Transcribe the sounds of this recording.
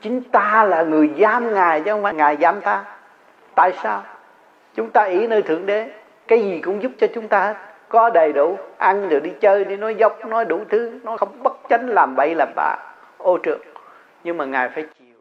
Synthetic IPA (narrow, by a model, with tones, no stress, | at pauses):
t͡ɕï˨˦ŋ̟t̪aː˧laː˨˩ŋɨ˨˩əjzaː˧mŋaː˨˩jt͡ɕɔ˧ŋvaː˧˦˩ŋaː˨˩jzaː˧˩mt̪aː˧ | t̪a̰ː˧˨jssaː˧w | t͡ɕʊ˨˦ŋ͡mt̪aː˧ʔi˧˩˦nəː˧jt̪ʰɨ˨˧˩əŋɗe˨˦ | kaː˨˦jzi˨˩kʊ̰˧˥ŋ͡mzʊ˦˥p̚t͡ɕɔ˧t͡ɕʊ˨˦ŋ͡mt̪aː˧he˦˥t̚ | kɔ˨˦ɗə˨˩jɗu˧˩ʔa˧nɗɨ˨˩k̚ɗi˧t͡ɕəː˧jɗi˧˩nɔ˨˦jzə˦˥wk͡p̚nɔ˨˦jɗu˧˩t̪ʰɨ˨˦nɔ˨˦xə˧wŋ͡mɓə˦˥t̚t͡ɕə˨˦nlaː˨˩mɓə̰˧˩jləː˨˩p̚ɓa̰ː˧˩ | ʔo˧t͡ɕɨ̰˨˩əŋ | ɲɨ˧ŋmaː˨˩ŋaː˨˩jfaː˧˦jt͡ɕi˨˩w